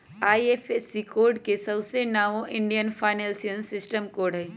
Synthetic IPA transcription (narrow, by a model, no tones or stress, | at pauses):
aːiefesːikoːɾɖkesɐbsenaːʋõʔɪ̃ɳɖijənfʰaːɪnelsijənsɪsʈəmkoːɾɖɦɛ